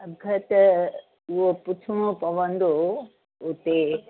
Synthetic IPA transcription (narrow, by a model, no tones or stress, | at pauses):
ɐɡʱɐt̪ | ʊɦopʊt̪ʰumõpɐʋə̃nd̪o | ʊt̪e